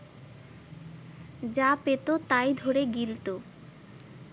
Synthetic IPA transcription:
d͡ʑapet̪ot̪ajd̪ʱoɾeɡilt̪o

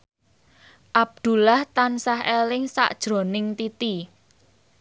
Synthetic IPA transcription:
ʔab̚d̪̥ṳlaht̪ansaɦelɪŋsa̰ʔd̥ʒ̥ɾo̤nɪŋt̪it̪i

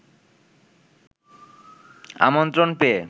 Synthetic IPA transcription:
a̰mont̪ɾonpee

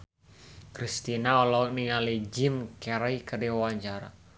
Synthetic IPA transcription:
kɾist̪inaɔlɔniŋalid͡ʒimkɛɾaikərdiwawaɲt͡ʃaɾa̰

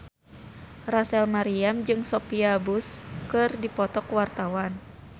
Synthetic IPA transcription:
rasɛlmaɾiamd͡ʒɨŋsɔpiabuskɨrdipɔt̪ɔkwart̪awan

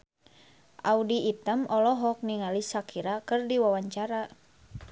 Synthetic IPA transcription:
ʔaudiːt̪əmɔlɔɦɔk̚niŋalisakʰiɾakɨrdiwawaɲt͡ʃaɾa

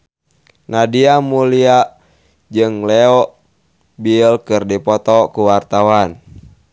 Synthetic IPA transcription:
nadiamulia | d͡ʒɨŋlɛɔ | bilkɨrdipɔt̪ɔkuwart̪awan

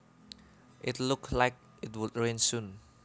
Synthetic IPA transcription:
ʔɪtlʊklaɪk̚ | ɪt̚wʊdɹẽnsũn

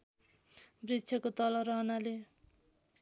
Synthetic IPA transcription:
brit̪t͡sʰjʌkot̪ʌlʌɾʌɦnale

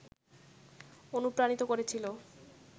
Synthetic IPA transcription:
onupɾañit̪okoɾet͡ɕʰilo

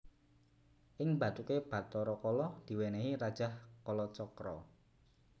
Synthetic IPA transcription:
ʔɪŋbä̤t̪ukeb̥ä̤t̪ɔɾɔkɔlɔd̪̥i̤weneɦiɾad̥ʒ̥ahkɔlɔt͡ʃɔkɾɔ̰

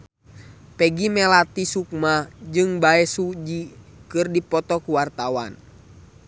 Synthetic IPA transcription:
pɛɡimɛlat̪isuk̚mad͡ʒɨŋbaɛsud͡ʒikɨrdipɔt̪ɔkuwart̪awan

